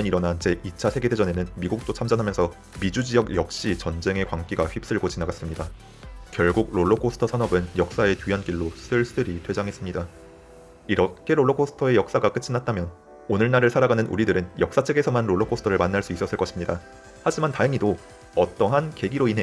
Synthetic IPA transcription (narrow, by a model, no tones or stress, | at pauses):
ʌniɾʌnant͡ɕʰe̞ʔit͡ɕʰasʰe̞ɡe̞dʰed͡ʑʌne̞nɯnmiɡuk̚t͈ot͡ɕʰamd͡ʑanɦamjʌnsʰʌ | mid͡ʑud͡ʑijʌɡjʌk̚ɕ͈it͡ɕʌnd͡ʑe̞ŋe̞kwaŋk͈iɡaɸɥip̚s͈ɯɭɡot͡ɕinaɡas͈ɯmɲida | kjʌɭɡuɡ̚ɾoɭːokʰosʰɯ̥tʰʌsʰanʌbɯnjʌk̚s͈ae̞tɥiɦank͈iɭːos͈ʰɯɭs͈ɯɾitʰwe̞d͡ʑaŋɦe̞s͈ɯmɲida | iɾʌkʰe̞ɾoɭːokʰosʰɯ̥tʰʌe̞jʌk̚s͈aɡak͈ɯt͡ɕʰinat̚t͈amjʌn | onɯɭnaɾɯɭsʰaɾaɡanɯnʔṵɾidɯɾɯnjʌk̚s͈at͡ɕʰe̞ɡe̞sʰʌmanɾoɭːokʰosʰɯtʰʌɾɯɭmanːaɭs͈uis͈ʌs͈ɯɭk͈ʌɕʰimɲida | had͡ʑimantaɦeŋido | ʌt͈ʌɦanke̞ɡiɾoinɦe